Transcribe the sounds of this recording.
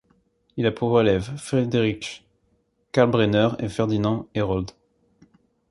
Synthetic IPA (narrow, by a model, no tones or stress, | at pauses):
ilapʰuʁvwalɛvfχed̪eʁik | kalbʁenœʁḛfɛʁd̪inɑ̃eʁɔld̪